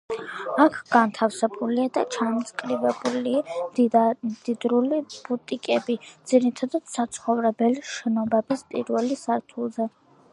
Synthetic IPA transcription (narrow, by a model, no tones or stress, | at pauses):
akʰɡ̥ant̪ʰafsɛbuliad̪at͡ʃʰant̪sʼkʼɾibɛbulia | d̪̥id̪ɾulib̥ut̪ʼikʼɛbid̪z̥iɾit̪ʰad̪ad̪̥sat̪sʰχɔvɾɛbɛliʃɛnɔbɛbispʼiɾvɛlisaɾt̪ʰulˠzɛ